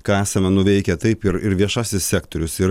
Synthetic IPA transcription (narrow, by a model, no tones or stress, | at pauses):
kɑæːsɐmʲɛnʊʋʲɛɪkʲɛt̪ɐɪpɪɾɪɾʋʲiɛʃɑːsʲɪssʲæːk̚t̪oɾʲʊsɪɾ